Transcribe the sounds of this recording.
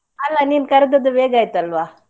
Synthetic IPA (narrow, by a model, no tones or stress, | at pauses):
ɐlːaniːmkɐɾɐd̪ɐd̪ubeːɡaːjt̪ɐlʋaː